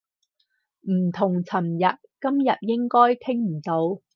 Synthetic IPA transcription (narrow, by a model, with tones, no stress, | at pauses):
m̩˨˩t̪ʰʊ˨˩ŋt͡sʰɐ˨˩mjɐ˨t̚kɐ˥mjɐ˨t̚jɪ˥ŋkɔː˥jk̪ʰɪ˥ŋm̩˨˩t̪o˨˥w